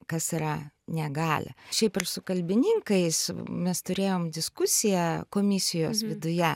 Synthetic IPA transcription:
kɐsiɾɐnʲɛɡɑːlʲɪ̰ʃʲɛɪpɪrsʊkɐlʲbʲɪnʲɪŋkɐɪsmʲɛst̪ʊɾʲeːjoːmd̪ʲɪskʊsʲɪjækoːmʲɪsʲɪjoːsʋʲɪd̪ʊjɛ

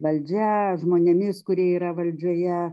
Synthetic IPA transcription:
ʋɐlʲd͡ʒʲɛʒmoːnʲemʲɪskʊɾʲiɛiːɾɐʋɐlʲd͡ʒʲoːjɛ

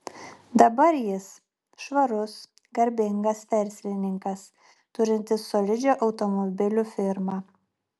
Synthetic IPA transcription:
d̪ɐbɐɾjɪs | ʃʋɐɾʊs | ɡɐɾʲbʲɪŋɡɐst̪ʲɛˑɾʲsʲlʲɪnʲɪŋkɐs | t̪ʊɾʲɪnʲt̪ʲɪsːoːlʲɪd͡ʒʲoːʔɐʊt̪ɔmɔbʲɪlʲufʲɪɾmɑː

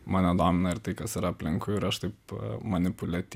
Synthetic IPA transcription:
mɑːnʲɛd̪oːmʲɪnɐɪɾt̪ɐɪkɐsɪɾɐɐpʲlʲɪŋkʊɪɾɐʃt̪ɐɪpmɐnʲɪpʊlʲɛt̪ʲ

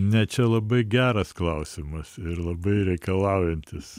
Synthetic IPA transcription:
nʲɛt͡ʃʲɛlˠɐbɐɪɡʲæːɾɐsklˠɐʊsʲɪmɐsɪɾlˠɐbɐɪɾʲɛɪkɐlˠɑʊjɛnʲt̪ʲɪs

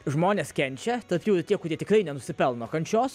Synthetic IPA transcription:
ʒmoːnʲeːskʲɛnʲt͡ʃʲɛt̪ɐɾpʲjuʊɪɾt̪ʲiɛkʊɾʲiɛt̪ʲɪkɾɐɪnʲɛnʊsʲɪpʲɛlˠnoːkɐnʲt͡ʃʲoːs

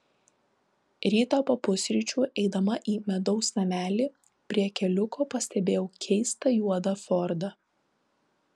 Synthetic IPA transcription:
ɾʲiːt̪ɐpɐpʊsʲɾʲit͡ʃʲuːʔɛɪd̪ɐmɐʔiːmʲɛd̪ɒʊsnɐmʲæːlʲiː | pʲɾʲiɛkʲɛlʲʊkoːpɐsʲt̪ʲɛbʲeːjɛʊkʲʰɛɪst̪ɐjuɔd̪ɐfɔɾd̪ɐ

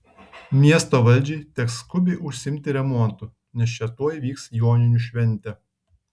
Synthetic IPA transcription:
mʲiɛst̪oːʋɐlʲˑd͡ʒʲɛɪt̪ʲɛkskʊbʲeɪʔʊʃʲsʲɪɪmʲt̪ʲɪɾʲɛmɔnt̪ʊ | nʲɛsʃʲɛt̪uɔjʋʲiːksjoːnʲɪnʲuʃʲʋʲɛnʲt̪ʲɛ

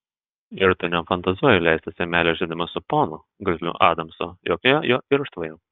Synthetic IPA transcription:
ɪɾt̪ʊnʲɛmfɐnt̪ɐzuɔjɛlʲæɪsʲt̪ʲɐsʲɛmʲæːlʲɛʒʲid̪ʲɪmɐsʊpoːnʊ | ɡʲʊzlʲʊ̰ʔɑ̰ːd̪ɐmsɔ̰joːkʲojojoːɪɾʊʃt̪ʋɐjoː

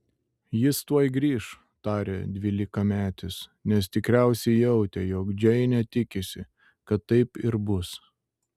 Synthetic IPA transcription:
jɪst̪uɔjɡɾʲiːʃ | t̪ɑːɾʲeːd̪ʲʋʲiːlʲɪkɐmʲæːt̪ʲɪsnʲɛst̪ʲɪkɾʲæˑʊsʲɛɪjɛʊt̪ʲɛjɔːkd͡ʒʲɛɪnʲɛt̪ʲɪkʲɪsʲɪ | kɐt̪ːɐɪpɪɾbʊs

